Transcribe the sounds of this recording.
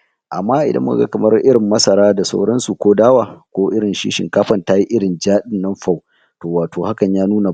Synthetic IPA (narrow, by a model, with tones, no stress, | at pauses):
ʔa˨mːaː˦ʔɪ̰˨dɐ̰˦mːʊ˦ka̰˨ɡa̰˦kɐ˨mɐ˦rʔɪ˦ɽɪ˨mːɐ˦sɐ˨ɾaː˦da˨sa˦wɽɐ˦nsu˨kʷoː˦daː˦waː˨kʷoː˦ʔɪ˦ɽɪ˨nʃḭː˦ʃɪ̰˨ŋkaː˦ɸɐ˨nta˦ji˦ʔɪ˦ɽɪ˨nd͡ʒaː˦ɗɪ˦nːɐ˦mɸa˦˨w | toː˨waː˨toː˨ha˦kɐ˨ɲjaː˦nuː˦na˨